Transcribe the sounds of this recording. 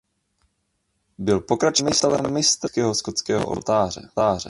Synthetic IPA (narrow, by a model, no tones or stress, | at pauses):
bɪlpokɾat͡ʃmɪst̪lmɪst̪kɛɦoskot͡skɛːɦo̰ʔo̰lt̪aːrɛ̰t̪aːrɛ̰